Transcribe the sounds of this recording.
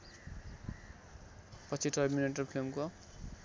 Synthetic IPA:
pʌt͡sʰiʈʌrmineʈ̬ʌrpʰilmko

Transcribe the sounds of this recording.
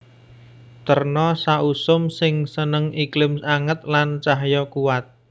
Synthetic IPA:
t̪ərnɔsaʔusʊmsɪŋsənəŋʔiklɪmsaŋət̪̚lant͡ʃaɦjɔkuwat̪̚

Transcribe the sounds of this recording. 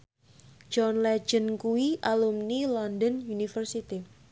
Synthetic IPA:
d͡ʒɔnlɛ̥d͡ʒ̥ənkuwiʔalumnilɔndənjunifərsit̪i

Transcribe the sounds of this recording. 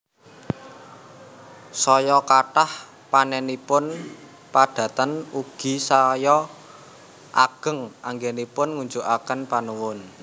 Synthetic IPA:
sɔjɔkaʈah | panɛnipʊn | pad̪̥ä̤t̪ənuɡ̥i̤sajɔ | ʔaɡ̥ə̤ŋʔaŋɡenipʊnŋuɲd͡ʒuʔakənpanuwʊn

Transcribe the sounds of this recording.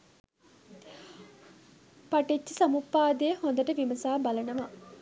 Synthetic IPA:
paʈet͡ʃːəsɐmupːaːd̪eːhond̪əʈəʋimɐsaːbɐlɐnɐʋa

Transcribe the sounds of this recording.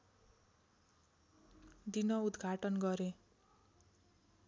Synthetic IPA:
d̪inʌud̪ɡʱaʈʌnɡʌɾe

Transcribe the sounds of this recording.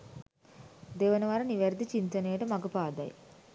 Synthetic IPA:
d̪eːʋənɐʋaɾɐniʋɛɾd̪it͡ʃint̪ɐneːʈəmɐɡəpaːd̪ɐ̰j

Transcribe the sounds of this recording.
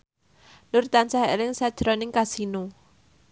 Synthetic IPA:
nʊrt̪ansaɦelɪŋsad̥ʒ̥ɾɔnɪŋkasino

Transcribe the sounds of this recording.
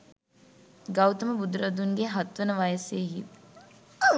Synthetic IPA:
ɡɐwt̪əməbud̪ɾəd̪unɡeɦat̪ʋənəʋajəseːɦit̪

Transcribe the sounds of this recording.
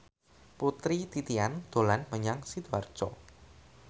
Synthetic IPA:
put̪ɾit̪it̪iand̪̥o̤lanməɲaŋsid̪uar̥t͡ʃɔ̰

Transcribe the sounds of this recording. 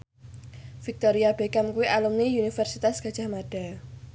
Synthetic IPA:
fik̚t̪oɾiab̥ekamkuwiʔalumniunifɛrsit̪asɡ̥a̤d̥ʒ̥a̤hmaɖ̥a

